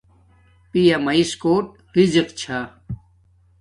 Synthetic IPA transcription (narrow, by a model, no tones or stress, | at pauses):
pijɐmɐiskoːʈ̚ | ɾiziqt͡ɕʰa